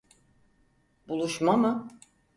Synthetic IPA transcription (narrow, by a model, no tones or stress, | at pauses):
bulˠuʃmamɯ